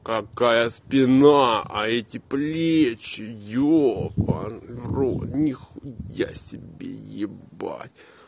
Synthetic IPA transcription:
kɐkajəspʲɪnaɐɛtʲɪplʲet͡ɕɪjopɐ̰vrot̪nʲɪxuja̰sʲɪbʲḛjɪba̰tʲ

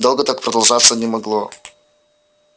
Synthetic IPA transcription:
d̪o̞lˠɡət̪ak̚pɾəd̪ɐlˠʐat̪sːənʲɪmɐɡlˠo

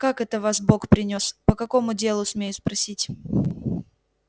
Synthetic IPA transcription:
kakɛt̪əvasbo̞kpɾʲɪnʲo̞spəkɐko̞mʊdʲe̞lˠʊsmʲejʊspɾɐsʲitʲ

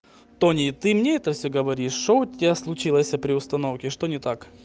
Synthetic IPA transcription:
t̪o̞nʲit̪ɨmnʲeɛt̪əfsʲoɡɐvɐɾʲiʂːoʊtʲɪɪaslˠʊt͡ɕilˠəsʲɐpɾʲɪʊst̪ɐnofkʲɪʂt̪onʲɪt̪ak

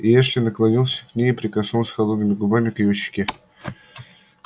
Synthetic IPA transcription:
ɪɛʂlʲɪnəklˠɐnʲilˠsʲə̥knʲejɪpɾʲɪkɐsnulˠsʲxɐlˠod̪̚nɨmʲɪɡʊbamʲɪkjuɕːɪ̥kʲɪ

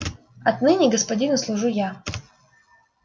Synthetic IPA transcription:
ɐt̪nɨnʲɪɡəspɐdʲinʊslˠʊʐuja

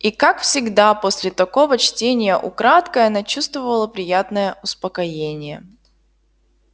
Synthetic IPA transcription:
ikakfsʲɪɡd̪apo̞sʲlʲɪt̪ɐko̞vət͡ɕtʲenʲɪjəʔʊ̰kɾat̪kəjɐnat͡ɕust̪vəvəlˠəpɾʲɪjat̪nəjəʊspəkɐjenʲɪjə

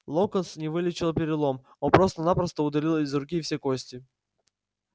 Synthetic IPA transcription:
lˠokənsnʲɪvɨlʲɪt͡ɕɪlˠpʲɪɾʲɪlˠo̞m | onpɾo̞st̪ənapɾəst̪əʊd̪ɐlʲilˠɪzɾʊkʲifsʲekosʲtʲɪ

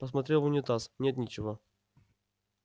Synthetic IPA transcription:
pəs̬mɐt̪ɾʲelˠvʊnʲɪt̪asnʲet̪nʲit͡ɕɪvo

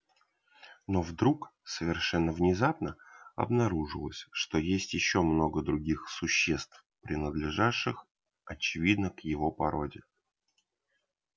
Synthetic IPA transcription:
no̞vd̪ɾuksəvʲɪrʂɛnːəvnʲɪzapnəɐ̰bnɐɾuʐɨlˠəsʲʂt̪o̞jesʲtʲjɪɕːo̞mno̞ɡəd̪ɾʊɡʲixsʊɕːest̪f | pɾʲɪnəd̪lʲɪʐaʂːɨx | ɐt͡ɕɪvʲid̪nəkjɪvo̞pɐɾo̞dʲɪ

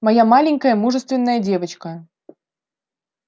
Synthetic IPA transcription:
mɐjamalʲɪŋʲkɐjəmuʐəst̪vʲɪnːəjədʲevɐt͡ɕkɐ

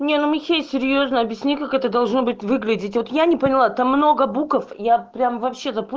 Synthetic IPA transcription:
nʲenumʲɪxʲesʲɪɾʲjoznəɐbʲjɪsʲnʲikakɛt̪əd̪ɐlˠʐno̞bɨt̚ʲvɨɡlʲɪdʲɪtʲvot̪janʲɪpənʲɪlˠat̪amːno̞ɡəbukəfjapɾʲamvɐpɕːe̞t̪əp

